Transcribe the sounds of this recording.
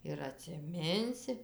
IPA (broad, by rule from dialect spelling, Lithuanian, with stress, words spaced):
ɪr ɐtʲsʲɪˈmʲɪnʲsʲɪ